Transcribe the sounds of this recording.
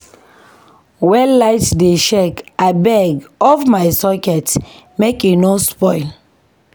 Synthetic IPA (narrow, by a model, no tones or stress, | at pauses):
wɛlaɪtdeʃekabɛɡɔfmaɪsɔkɛt | mekinospɔɪl